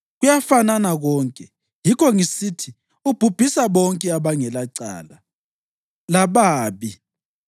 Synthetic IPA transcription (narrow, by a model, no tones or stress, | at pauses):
ɣujafananaɣɔːŋkʼɛ | jikʰɔŋisitʰi | ub̥ʱub̥ʱisaβɔŋkʼɛaβaŋɛlaǀa̰ːla | laβaːβi